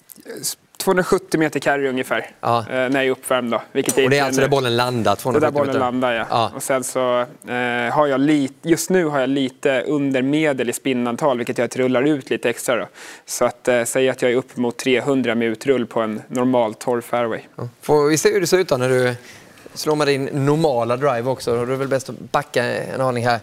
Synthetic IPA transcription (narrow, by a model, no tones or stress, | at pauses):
t̪ʰvoːɵnɾaɧɵt̪ːɪmeːt̪əkʰaɾɵŋjəfæːɾnæɾjɑɛɾɵpːvæɾmd̪ɔvɪlkət̪jaɾd̪ɛɾalsɔd̪æbɔlːənland̪at̪ʰvoːɛd̪æːb̪ɔlːənland̪ajaʔɔsɛnsɔ | ɦaɾjɑliːt̪jɵst̪nʉ̟ːɦaɾjɑːliːt̪əɵnd̪əɾmeːd̪əlɪspɪnːant̪ʰɑːlvɪlkːət̪jɑt̪ɾɵlːaɾʉ̟ːt̪ʰliːt̪əɛkst̪ɾad̪ɔ̰sɔat̪sɛjːəɾat̪jɑːɡæɾɵpːmʊt̪ʰːɾeːɦɵnd̪ɾamɪnʉ̟ːt̪ɾɵlːpʰɔɛnːɔɾmɑːlt̪ʰːɔɾfɛːɾwɛjfɔvɪseːhʉd̪ɛsʉːt̪anæɖɵ | sloːmɛd̪ɪnːʊɾmɑːlad̪ɾajvɔksɔd̪ɵæɾvɛlbɛst̪ɔbakːaɛ̰nɑːnɪŋɦæɾ